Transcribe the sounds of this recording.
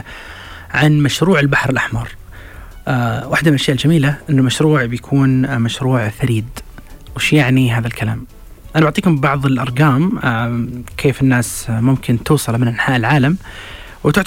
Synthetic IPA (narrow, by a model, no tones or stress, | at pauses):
ʕanmaʃɾuːʕɪlbaħɾɪlʔaħmɑɾˤ | waħd̪amɪnʔaʃjaːʔɪld͡ʒamiːlaʔɪnːʊlmaʃɾuːʕbjakʰuːnmaʃɾuːʕfaɾiːd̪wɪʃjaʕniɦaːðalkala̰ːm | ʔanabaʕt̪ˤiːkʊmbɑʕðˤɪlʔɑɾˤɡaːm | kʰeːfɪnːaːsmʊmkʰɪnt̪uːsˤɨlmɪnʔanħaːʔɪlʕaːlam | wt̪ʊʕ